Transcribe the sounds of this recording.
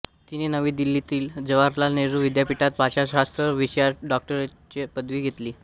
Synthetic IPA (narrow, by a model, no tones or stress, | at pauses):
t̪inenəʋiːd̪ilːit̪iːld͡zəʋaɾlaneɾuʋid̪japiʈat̪̚bʱaɕaɕast̪ɾəʋiɕjaɖɔk̚ʈəɾe | t͡ɕepəd̪ʋiːɡʱet̪liː